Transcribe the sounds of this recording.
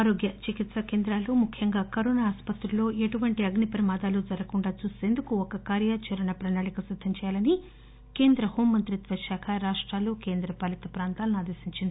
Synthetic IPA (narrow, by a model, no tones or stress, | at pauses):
aːɾoːɡjɐt͡ʃikit̪sɐke̞ːnd̪ɾaːluːmukʰjɐŋɡaːkɐɾoːnaaːspɐt̪ɾulo̞ːeʈuʋɐɳʈiɐɡɳipɾɐmaːd̪aːlud͡ʒɐɾɐkuɳɖaːt͡ʃuːst̪eːnd̪ukuɔkɐkaːɾjaːt͡ʃɐɾɐɳɐpɾɐnaːɭikɐsid̪ʱːɐmt͡ʃɛːjaːlɐni | ke̞ːnd̪ɾɐhoːmːɐnt̪ɾit̪ʋɐʃaːkʰɐɾaːʂʈɾaːluːke̞ːnd̪ɾɐpɐlit̪ɐpɾaːnt̪aːlɐnuaːd̪eːsiɲt͡ʃind̪i